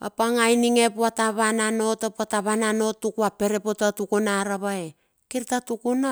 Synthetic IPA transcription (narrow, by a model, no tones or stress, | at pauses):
a̰paŋajniŋe̞puataβanano̞tapuataβanano̞tːukuape̞ɾe̞po̞tatukunaɾaβae | kiɾtatukuna